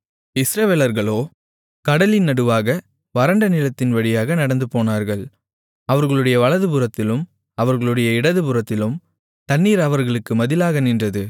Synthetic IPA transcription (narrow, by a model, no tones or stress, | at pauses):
ɪsɾɐʋeːlɐɾɣɐɭoː | kɐɽɐlɪnːɐɽɯʋaːɣɐ | ʋɐɾɐɳɖɐnɪlɐt̪ːɪnʋɐɽɪjaːɣɐnɐɽɐnd̪ɯpoːnaːɾɣɐɭ | ɐʋɐɾɣɐɭɯɽɐjɐʋɐɭɐðɯbɯɾɐt̪ːɪlɯm | ɐʋɐɾɣɐɭɯɽɐjɐɪɽɐðɯpɯɾɐt̪ːɪlɯm | t̪ɐnːiːɾɐʋɐɾɣɐɭɯkːɯmɐðɪlaːɣɐnɪndrɐðɯ